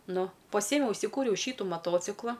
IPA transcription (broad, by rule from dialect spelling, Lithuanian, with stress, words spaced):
ˈnʊ pɐˈsʲiɛmʲɛʊ ʊʃʲsʲɪˈkuːrʲɛʊ ˈʃʲiːtʊ mɐˈtoːt͡sʲɪklˠɐ